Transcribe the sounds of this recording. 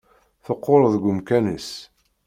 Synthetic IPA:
θəqːoɾˤðɡʊmkænis

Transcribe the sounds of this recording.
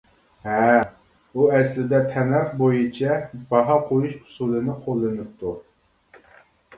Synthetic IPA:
ɦɛ | uɛslɪd̪ɛt̪ʰɛmɛχbojɨt͡ʃʰɛb̥ɑɦɑqʰojuʃʊ̥sulˠɨnɨqʰolˠːɨnɨp̚t̪ʰu

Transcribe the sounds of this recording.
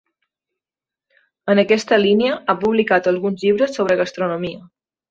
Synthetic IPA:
ənəkɛst̪əliniəapuβlikat̪əlˠɣunzʎiβ̞ɾəsːoβ̞ɾəɣəst̪ɾunumiə

